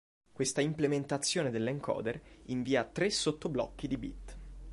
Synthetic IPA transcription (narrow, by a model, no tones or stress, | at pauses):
kwest̪aimplement̪at̪sːjoːned̪elːɛŋkʰɔ̰ːd̪eriɱviːat̪ɾesot̪ːoblɔ̰kːid̪ibḭt̪ː